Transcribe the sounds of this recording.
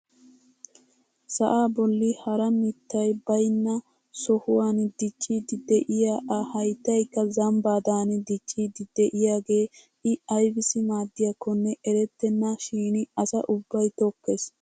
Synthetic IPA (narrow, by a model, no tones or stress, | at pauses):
sɐʔaːbɔlːɪhɐɾɐmɪt̪ːɐjbɐjnːɐ | sɔhʊwaːnd̪ɪt͡ʃːid̪ɪd̪ɛʔɪjaʔɐhɐjt̪ːɐjkːɐzɐmbaːd̪aːnɪd̪ɪt͡ʃːid̪ɪd̪ɛʔɪjaːɡe̞ː | ʔɪɐjbɪsɪmaːd̪ːɪjɐkːɔnːɛʔɛɾɛt̪ːɛnːaʃiːnɪɐsɐ̰ʔʊbːɐjt̪ɔkːes